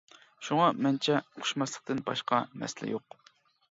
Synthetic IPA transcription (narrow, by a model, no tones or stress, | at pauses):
ʃuŋɑmɛnt͡ʃʰɛqʰʊ̥ʃmɑslˠə̥q̚t̪ɨnbɑ̰ʃqɑmɛ̰sɪlɛ̰joq